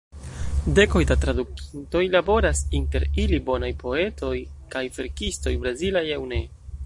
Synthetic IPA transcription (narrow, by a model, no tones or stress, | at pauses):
de̞ko̞jdatɾaduki̥nto̞jlabo̞ɾasinte̞ɾilibo̞najpo̞e̞tʰo̞jkajve̞ɾkisto̞jbɾazilajawne̞